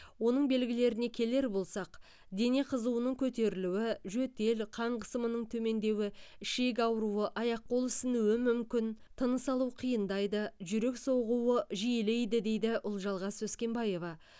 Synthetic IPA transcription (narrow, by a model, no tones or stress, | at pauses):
wo̞nəɴbe̞lɡʲɪle̞ɾɪne̞kʲʰe̞le̞ɾbo̞lˠsɑq | d̪e̞ne̞qʰəzuwənəɴkʲʰɵt̪e̞ɾɪluwɪʒɵt̪e̞lqʰɑɴqʰəsəmənəɴt̪ʰɵme̞nd̪e̞wɪɪʃe̞k̬ʲɑwəɾuwəʔɑjɑq̚ːo̞lˠɪsɪnuwɪmʏmkʲɪn | t̪ʰənəsɑlˠuwqʰijənd̪ɑjd̪əʒʏɾe̞kso̞ʁuwəʒijlejd̪ɪd̪e̞jd̪ɪʔʊlˠʒɑlˠʁɑswɵskʲe̞mbɑje̞vɑ